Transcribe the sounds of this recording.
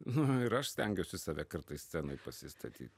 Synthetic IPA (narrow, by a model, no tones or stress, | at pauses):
nʊɪɾɐʃsʲt̪ʲɛŋʲɡʲɛʊsʲɪsɑːʋʲɛkɐɾt̪ɐɪsʲt͡ssʲæːnoːɪpɐsʲɪst̪ʰɐt̪ʲḭːt̪ʲ